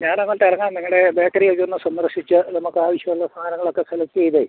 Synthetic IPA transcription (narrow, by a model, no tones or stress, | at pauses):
ɲaːnnɐŋːɐɭʈ̪eɐɾɐŋːaːnniŋːɐɽe̞beːk̚ʈːɐɾijekːunːɨsɐmːɐrʂit͡ɕːɨnɐmukːɨaːʋɐɕjɐmuɭːɐst̪ʰaːnɐŋːɐɭo̞kːe̞kʰɐlɐkːejðe